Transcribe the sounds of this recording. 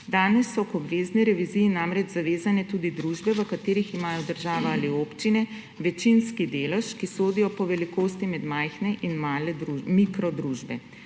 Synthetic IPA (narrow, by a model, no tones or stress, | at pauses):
d̪aːnɛsːɔkɔbʋeːzniɾɛʋizijinamɾɛd͡ʒzaʋeːzanɛt̪ud̪id̪ɾuʒbɛʋəkat̪eːɾiximaːjɔd̪əɾʒaːʋaalioːpt͡ʃinɛ | ʋɛt͡ʃinskid̪eːlɛʃkisoːd̪ijɔpɔʋɛlikoːst̪imɛd̪majxnɛʔinmaːlɛd̪ɾumikɾɔd̪ɾuːʒbɛ